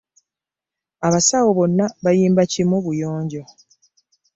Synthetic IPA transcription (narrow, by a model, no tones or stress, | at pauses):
aβasawoβo̞nːaβajiːmbacimuβujo̞ːɲɟo̞